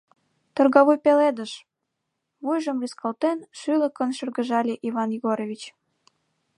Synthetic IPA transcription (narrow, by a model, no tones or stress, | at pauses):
t̪ɤ̆rɣɑβujpeled̪əʃ | βujʒə̆mrʲiskɑlt̪enʃylə̆kə̆nʃə̆rɣə̆ʒɑlʲeʔivɑnjiɣoɾovʲit͡ɕ